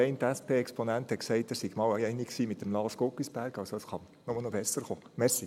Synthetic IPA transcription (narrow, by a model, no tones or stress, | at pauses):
ɛɪntæspʰeːɛksponænt̪hɛtksɛɪtəsiɡmɑːwɛɪɛɪniksiːmɪt̪ːəmlɑːskokisb̥æɾɡɑʊsoəsχɑn | nɔməlnɔbɛsəɾχoːmɛɾsi